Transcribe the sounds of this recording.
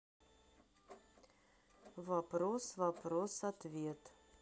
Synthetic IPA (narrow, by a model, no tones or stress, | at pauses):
vɐpɾosvɐpɾosɐt̪vʲiɛt̪